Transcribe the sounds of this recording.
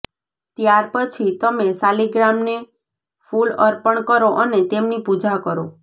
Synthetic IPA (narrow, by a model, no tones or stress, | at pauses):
t̪jaɾpət͡ʃʰit̪əmesaliɡɾamne | fuləɾpəɳkəɾoʔənet̪emnipud͡ʒakəɾo